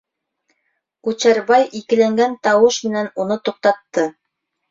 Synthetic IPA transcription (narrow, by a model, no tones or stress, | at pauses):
kut͡ɕæɾβɑjʔikɘ̆læŋɡænt̪ɑwɤʃmɘ̆nænunɤt̪uq̚t̪ɑt̪ːɤ